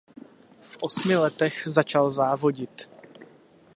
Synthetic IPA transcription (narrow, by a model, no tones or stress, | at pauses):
fʔo̞smɪlɛt̪ɛxzat͡ʃalzaːvo̞ɟɪt̪